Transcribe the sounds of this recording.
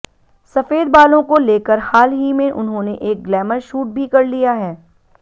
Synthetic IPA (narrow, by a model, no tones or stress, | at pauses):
sɐfeːd̪baːlõkoleːkəɾhaːlɦimẽʔʊnɦõneʔeːk̚ɡlɛːməɾʃuːʈ̚bʱikɐɾlijaɦɛː